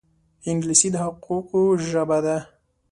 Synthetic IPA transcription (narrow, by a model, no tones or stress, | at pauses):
ɪŋɡlɪsid̪əhʊquqoʒəbad̪a